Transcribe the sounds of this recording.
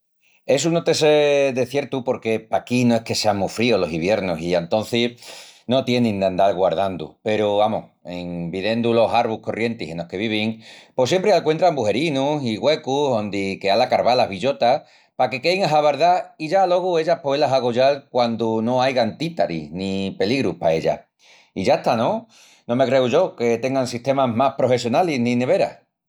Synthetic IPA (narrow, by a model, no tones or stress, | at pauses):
e̞s̬unot̪e̞seðe̞θje̞ɾt̪upo̞ɾke̞pakinoe̞hke̞seaŋmufɾiolo̞siβje̞ɾnosient̪o̞n̟θino̞t̪je̞nĩnd̪eand̪aɾɣwaɾð̞and̪ṵpe̞ɾuβamo̰heŋbiðe̞nd̪ulo̞saɾβuko̞rʔje̞nt̪ise̞no̞hke̞β̞iβ̞iŋpo̞sje̞mpɾealkwe̞nt̪ɾambuɦe̞ɾinusiɣwe̞kuond̪ikealakaɾβalaɦβiʎo̞t̪a | pake̞ke̞jŋaɦaβaɾðaiʝalo̞ɣue̞ʎapwelaɦaɣoʝalkwand̪uno̞ajɣant̪it̪aɾḭznipe̞liɣɾuhpae̞ʎa̰ | iʝaeht̪anõ | no̞me̞kɾe̞uʝo̞ke̞t̪e̞ŋɡaŋsiht̪e̞maɦmahpɾo̞fe̞sjo̞naliɦnine̞βe̞ɾa̰